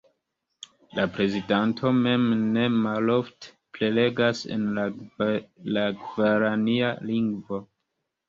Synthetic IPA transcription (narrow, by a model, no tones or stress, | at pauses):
lapɾe̞zidantʰo̞me̞mne̞malo̞fte̥plele̞ɡase̞̰na | laɡvaɾanialiŋɡvo̞